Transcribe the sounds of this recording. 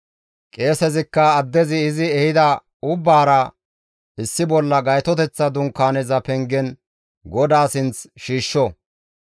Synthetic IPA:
kʼe̞ːsɛzɪkːɐːd̪ːɛzɪːzɪɛhɪd̪ɐ | ʊbːaːɾɐ | ʔɪsːɪbɔlːɐɡɐjt̪ɔt̪ɛt͡sːɐd̪ʊŋkːaːnɛzɐpɛŋɡɛn | ɡɔd̪aːsɪnt͡sʃiːʃːɔ

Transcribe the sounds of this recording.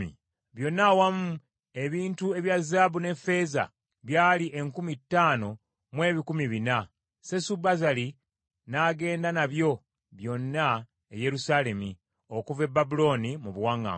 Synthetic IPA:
ḭ | βjo̞nːawamu | e̞βiːntue̞βjazaːβune̞fe̞ːza̰ | βjaːliʔe̞ŋkumitːaːno̞ | mwe̞ːβikumiβina | sesubazali | naːɡe̞ːndanaβjo̞ | βjo̞nːa | eje̞ɾusale̞mi | okuve̞bːabulo̞ːnimuβuwaŋɡa̰

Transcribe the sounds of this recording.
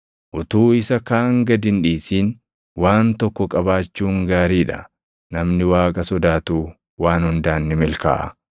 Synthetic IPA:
ʔʊt̪uːɪsɐkaːŋɡɐd̪ɪnᶑiːsiːn | waːnt̪ɔkːɔkʼɐbaːt͡ʃːuːŋɡaːɾiːᶑɐ̰ | nɐmnɪwaːkʼɐsɔd̪aːt̪uː | waːnhʊnd̪aːnːɪmɪlka̰ːʔɐ̰

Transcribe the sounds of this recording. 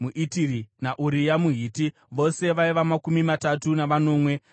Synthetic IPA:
muʔitirinaʔuɾijamuɦiːti | ʋo̞se̞ʋaiʋamakumimatatunaʋano̞ːmwe̞

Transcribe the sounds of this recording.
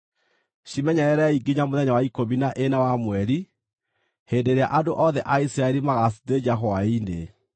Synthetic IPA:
ɕimɛɲaɛɾɛiɡiɲamoðɛɲawaikominaʔenawamwɛɾi | hedeɾea̰ʔadoʔɔðɛʔaisɾaeɾimaɣasi̥ted͡ʒaɦɔaine

